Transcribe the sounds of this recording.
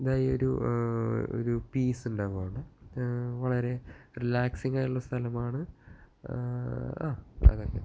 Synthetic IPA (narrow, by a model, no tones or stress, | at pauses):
ɐd̪aːjeoɾu | o̰ɾupiːsuɳɖaːʋuʋaːɳɨ | ʋɐɭɐɾe̞rilaːksiŋɡaːjuɭːɐst̪ʰɐlɐmaːɳɨ | a̰ːɐ̰ðokːḛ